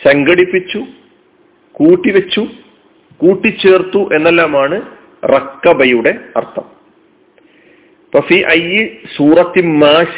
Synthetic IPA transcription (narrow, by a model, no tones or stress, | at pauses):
sɐŋɡɐɽipːit͡ɕːu | kuːʈːiʋet͡ɕːu | kuːʈːit͡ɕːe̞ːrt̪ːuʔe̞nːelːaːmaːɳɨ | rɐkːɐbɐjuɽe̞ɐ̰rt̪ʰːɐm | pɐfiːʔɐjːisuːrɐt̪ːimaːɕ